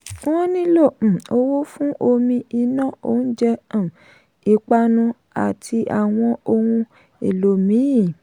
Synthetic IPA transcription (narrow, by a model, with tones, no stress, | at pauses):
wɔ̃˦nĩ˦lõ˦˨o˦wo˦fũ˦ʔo˧mĩ˧i˧nã˦˨o˦n̩˦d͡ʒɛ˧ã˨ | i˨k͡pa˧nũ˧ | a̰˨tʰi˧ʔa̰˨w̃ɔ̃˧o˧hũ˧ | ḛ˨lo˨mĩ˨˦i˦˨